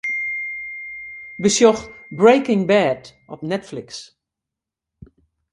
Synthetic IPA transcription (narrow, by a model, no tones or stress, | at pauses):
bəsjɔxbɹejkɪŋbɛtʔɔpnɛtflɪks